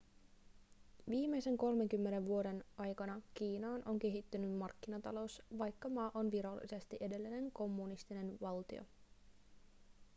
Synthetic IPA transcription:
ʋiːme̞jse̞ŋko̞lme̞ŋk̟ymːe̞ne̞ʋʋuo̞de̞nʔɑjkɑnɑk̟iːnɑːnʔo̞ŋk̟e̞ɦit̪ːynymmɑrkːinɑt̪ɑ̰lo̞wsʋɑjkːɑmɑːʔo̞nʋiɾɑlːḭse̞st̪iʔe̞de̞lːine̞ŋko̞mːunist̪ine̞nʋɑlt̪ḭo̰

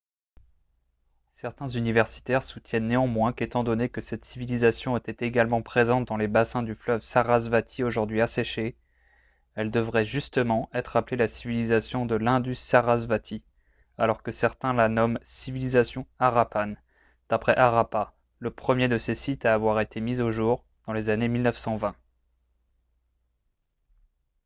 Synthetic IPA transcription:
sɛʁt̪ɛ̃zynivɛʁsi̥t̪ɛʁsut̪jɛnːeɑ̃mwɛ̃ket̪ɑ̃d̪ɔnekəsɛt̪sivilizasjɔ̃ɛt̪ɛt̪eɡalmɑ̃pχezɑ̃t̪̚d̪ɑ̃lebasɛ̃d̪yflœvsaʁazvat̪ʰioʒuʁd̪ɥiasɛʃe | ɛld̪əvʁɛʒyst̪əmɑ̃ɛt̪χaplelasivilizasjɔ̃d̪əlɛ̃d̪ysaʁazvat̪ʰi | alɔʁkəsɛʁt̪ɛ̃lanɔmsivilizasjɔ̃aʁapan | d̪̥apχɛʔaʁapa | ləpχəmjed̪əsesit̪aːvwaʁet̪ʰemizoʒuʁ | d̪̥ɑ̃lezanemilnəfsɑ̃vɛ̃

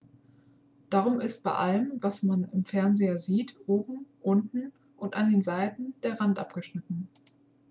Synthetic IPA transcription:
d̥aːʁ̞ʊmɪst̚b̥aɪʔaləmvasmanɪmfɛɐnzeːɐziːtʔoːbm̩ʔʊntn̩ | ʔʊntʔandeːnzaɪtn̩d̥eːɐʁantʔapɡ̥əʃnɪtn̩

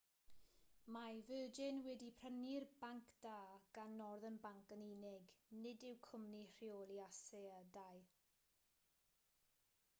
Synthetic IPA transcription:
majvəːd͡ʒɪnwɛdipʰrənirbaŋkʰd̥aːɡ̥anːɔrðənbaŋkəninɪɡnɪdɪwkʰʊmnir̥iolˠiasɛədaj

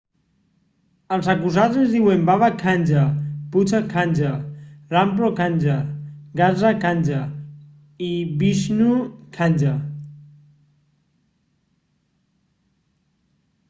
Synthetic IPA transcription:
əlˠzakuzazezðiwembaβakʰanʲd͡ʒaput͡ʃakʰanʲd͡ʒarampɾokanʲd͡ʒaɡazakanʲd͡ʒa | iβiʃnukʰanʲd͡ʒa

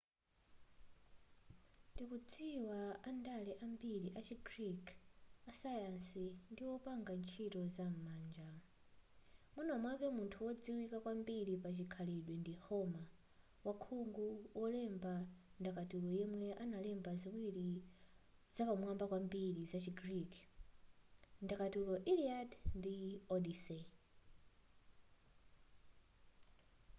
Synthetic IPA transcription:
tipud͡ziwaandalɛʔambiɾiʔat͡ʃʰiɡɾikʰasajansindiwɔpaŋɡant͡ʃʰitɔzam̩maːnd͡ʒa | munɔmwapɛmuntʰuwɔd͡ziwikakwambiɾipat͡ʃikʰaliɗwɛndihɔma | wakʰuŋɡuwɔlɛmbandakatulɔjɛmwɛʔanalɛmbaziwiɾi | zapamwambakwambiɾizat͡ʃiɡɾikʰ | ndakatulɔʔiliadndiɔdisɛ

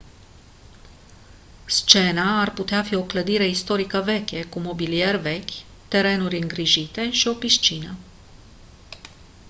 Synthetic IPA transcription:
st͡ʃe̞naarput̪eafio̞kləd̪iɾe̞ist̪o̞ɾikəve̞kʲe̞kumo̞bilie̞rve̞kʲ | t̪e̞ɾe̞nurʲɨŋɡɾiʒit̪e̞ʃio̞piʃt͡ʃinə

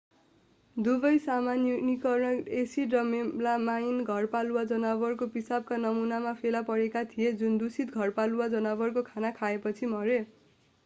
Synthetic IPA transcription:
d̪ubʌjsamannikʌrnʌesirʌmelamajinɡʱʌrpaluwad͡zʌnabʌrkopisab̚kanʌmunamapʰelapʌɾekat̪ʰijed͡zund̪usit̪̚ɡʱʌrpaluwad͡zʌnʌbʌrkokʰanakʰaepʌt͡sʰimʌɾe

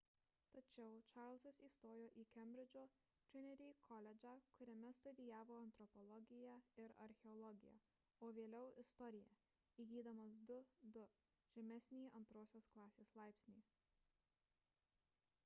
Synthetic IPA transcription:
t̪ɐt͡ʃʲɛʊt͡ʃɑːˑɾlʲˠsɐsiːst̪oːjoːʔiːkʲɛmʲbʲɾʲɪd͡ʒʲoː | t̪ʲɾʲɪnʲɛɾʲiːkʰɔlʲɛd͡ʒʲɑkʊɾʲɛmʲɛst̪ʊd̪ʲɪjæːʋoːɐnt̪ɾɔpɔlˠɔɡʲɪjæɪɾɐ̰ɾʲxʲɛɔlˠɔɡʲɪjæ̰ː | oːʋʲeːlʲɛʊɪst̪ɔɾʲɪjɛ | iːɡʲiːd̪ɐmɐsd̪ʊd̪ʊ | ʒ̥ʲɛmʲɛsʲnʲiːʔɐnt̪ɾoːsʲoːsklˠɑːsʲeːslˠɑˑɪpʲsʲnʲiː

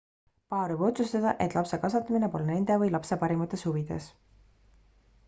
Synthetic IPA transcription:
pɑːɾejb̥o̞t̪sust̪ɑd̪̥ɑʔe̞t̪ˑlɑpse̞kɑsɑt̪ːˑɑminepo̞lne̞nd̪̥e̞vɤjlɑpse̞pɑɾimɑt̪ːˑe̞shuvid̪̥e̞̰s

